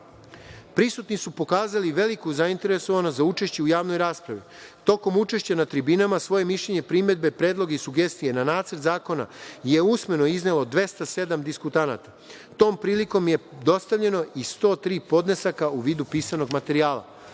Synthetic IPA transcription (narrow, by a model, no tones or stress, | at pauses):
pɾisut̪nisupo̞kaːzaliʋe̞likuzaint̪e̞ɾe̞so̞ʋanozaut͡ʃe̞ʃt͡ɕe̞ujaːʋno̞jɾaːspɾaʋi | t̪o̞ko̞mut͡ʃe̞ʃt͡ɕanat̪ɾibinamasʋo̞je̞miʃʎe̞ɲe̞pɾime̞d̪̚be̞pɾe̞ːd̪lˠo̞ɡeisuɡe̞st̪ije̞nanaːt̪səɾt̪zaːko̞na̰je̞usme̞no̞izne̞lˠo̞d̪ʋe̞st̪ase̞d̪amd̪iskut̪ana̰t̪a | t̪o̞ːmpɾiːliko̞mje̞d̪o̞st̪aʋʎe̞no̞ist̪o̞ːt̪ɾiːpo̞d̪nesakauʋiːd̪upiːsano̞ɡmat̪e̞ɾiaːlˠa̰